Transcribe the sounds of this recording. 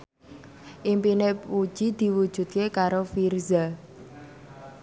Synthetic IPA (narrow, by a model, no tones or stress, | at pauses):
ʔimpinewu̥ʒ̥id̪̥i̤wud̥ʒ̥ṳt̪̚kekaɾofirza